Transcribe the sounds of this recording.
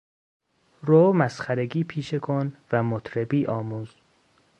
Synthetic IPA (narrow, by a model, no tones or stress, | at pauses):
ɾoːmæsχæɾeɡiːpʰiːʃekʰonvæmot̪ʰɾebiːʔɒːmuːz̥